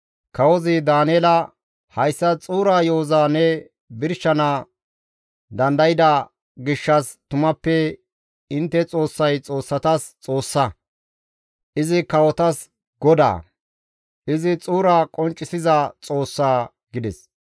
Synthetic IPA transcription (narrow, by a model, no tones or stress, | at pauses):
kɐwɔzɪd̪aːnɛːlɐ | hɐjsːɐt͡sʼuːɾaːjoːzaːnɛ | bɪɾʃːɐnaː | d̪ɐnd̪ɐjɪd̪a | ɡɪʃːɐst̪ʊmɐpːɛ | ɪnt̪ːɛt͡sʼo̞ːsːɐjt͡sʼo̞ːsːɐt̪ɐst͡sʼo̞ːsːɐ | ʔɪzɪkɐwɔt̪ɐs | ɡɔd̪a̰ː | ʔɪzɪt͡sʼuːɾaːkʼɔnt͡ʃʼːɪsɪzɐt͡sʼo̞ːsːaː | ɡɪd̪ɛs